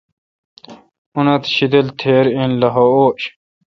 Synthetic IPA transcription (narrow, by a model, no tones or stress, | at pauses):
unɐt̪ɕid̪elt̪ʰeːɾĩnlɐɦooːɕ